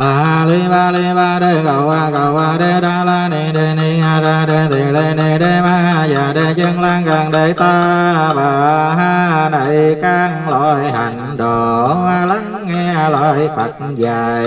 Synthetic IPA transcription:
ɓaː˨˩˧li˧˦ɓaː˧˩li˧ɓaː˧˩ɗe˧˩ɣə˨˩wʔaː˧˩ɣə˨˩wʔaː˧˩ɗe˧˦ɗaː˧˩laː˧jni˨˩ɗe˧˩ni˧˦haː˧zaː˧˩ɗe˧˩t̪ʰe˨˩le˧ne˧˩ɗe˧˦maː˧˩˧jaː˨˩ɗe˧˦zə˧ŋlaː˧ŋka˨˩ŋɗe˨˦t̪aː˧ɓaː˨˩ɦaː˧na˨˧˩jkaː˧ŋlɔ˧˩jɦa̰˨˩jŋ̟ɗɔ˨˩ʔaː˧la˨˦ŋːɛ˧laː˧˨˩jfa˨˩t̚zaː˨˩j

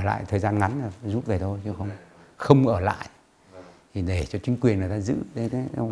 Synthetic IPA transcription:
ʔəː˧˩la̰ː˧˨jt̪ʰəː˨˩zaː˧nŋa˨˦nə˨˩zu˦˥t̚ve˨˩t̪ʰo˧jt͡ɕə˧wxə˧wŋ͡mxə˧wŋ͡mʔəː˧˩la̰ː˧˨jʔ | t̪ʰi˨˩ɗe˧˩t͡ɕɔ˧t͡ɕï˨˦ŋ̟kwi˨˩ənŋə˨˩t̪aː˧zɨ̰˧˥ɗe˨˦t̪ʰ

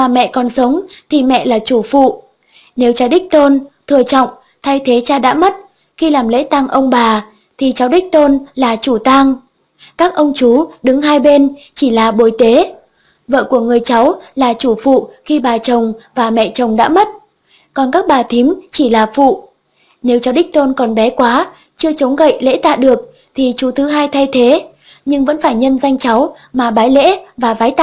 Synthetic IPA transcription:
maː˨˩mɛ̰˧˨kɔ˨˩nsə˨˦wŋ͡mt̪ʰi˨˩mɛ̰˧˨laː˨˩t͡ɕu˧˩fṵ˧˨ | ne˨˦wt͡ɕaː˨˦ɗï˦˥k̚t̪o˧nt̪ʰɨ˨˩ət͡ɕɔ̰˧˨wŋ͡m | t̪ʰa˧jt̪ʰe˨˦t͡ɕaː˧ɗa̰ː˧˥mə˦˥t̚ | xi˧laː˨˩mlḛ˧˥t̪a˧ŋʔə˧wŋ͡mɓaː˨˩ | t̪ʰi˨˩t͡ɕa˨˦wɗï˦˥k̟̚t̪o˧nlaː˨˩t͡ɕu˧˩t̪a˧ŋ | kaː˦˥k̚ʔə˧wŋ͡mt͡ɕu˨˦ɗɨ˨˦ŋhaː˧jɓe˧nt͡ɕi˧˩laː˨˩ɓo˨˦jt̪e˨˦ | və̰ː˧˨ku˧˩əŋɨ˨˩əjt͡ɕa˨˦wlaː˨˩t͡ɕu˧˩fṵ˧˨xi˧ɓaː˨˩t͡ɕə˨˩wŋ͡mvaː˨˩mɛ̰˧˨t͡ɕə˨˩wŋ͡mɗa̰ː˧˥mə˦˥t̚ | kɔ˨˩nkaː˦˥k̚ɓaː˨˩t̪ʰi˨˦əmt͡ɕi˧˩laː˨˩fṵ˧˨ | ne˨˦wt͡ɕɔ˧˨˦wɗï˦˥k̟̚t̪o˧nkɔ˨˩nɓɛ˨˦kwaː˨˦ | t͡ɕɨ˧ət͡ɕə˨˦wŋ͡mɣə̰˧˨jlḛ˧˥t̪a̰ː˧˨ɗɨ˨˩ək̚ | t̪ʰi˨˩t͡ɕu˨˦t̪ʰɨ˨˦ɦaː˧jt̪ʰa˧jt̪ʰe˨˦ | ɲɨ˧ŋvə̰˧˥nfaː˧˩jɲə˧nza˧jŋ̟t͡ɕa˨˦w | maː˨˩ɓaː˨˦jlḛ˧˥vaː˨˩vaː˨˦jt̪a˧

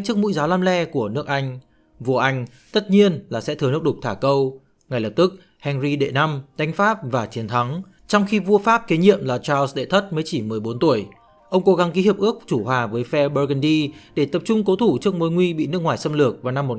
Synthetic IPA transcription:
t͡ɕɨ˦˥ək̚mṵ˧˥jzaː˨˦wlaː˧mlɛ˧ku˧˩ənɨ˦˥ək̚ʔa˧jŋ̟ | vu˧əʔa˧jŋ̟ | t̪ə˦˥t̚ɲi˧ənlaː˨˩sɛ̰˧˥t̪ɨ˨˩n˦˥k̚ɗʊ˨˩k͡p̚t̪ʰaː˧˩kə˧w | ŋa˩jlə˨˩p̚t̪ɨ˦˥k̚ | hɛ˧nzi˧ɗḛ˧˨na˧mɗa˨˦jŋ̟faː˦˥p̚vaː˨˩t͡ɕi˨˦ənt̪ʰa˨˦ŋ | t͡ɕɔ˧wŋ͡mxi˧vu˧əfaː˦˥p̚ke˨˦ɲḭ˧˨əmlaː˨˩t͡ɕaː˧lsɗḛ˧˨t̪ʰə˦˥t̚məː˨˦jt͡ɕi˧˩mɨ˨˩əjɓo˨˦nt̪u˧˩əj | ʔə˧wŋ͡mko˨˧˦ɣa˨˦nki˨˦hi˨˩pʔɨ˦˥ək̚t͡ɕu˧˩hwaː˨˩vəː˨˦jfɛ˧ɓəː˧ɣə˧nɗi˧ɗe˧˩t̪ə˨˩p̚t͡ɕʊ˧ŋ͡mko˨˦t̪ʰu˧˩t͡ɕɨ˦˥ək̚mo˨˧˦jŋwi˧ɓḭ˧˨nɨ˦˥kŋwaː˨˩jsə˧mlɨ˨˩ək̚vaː˨˩na˧mːo˨˩

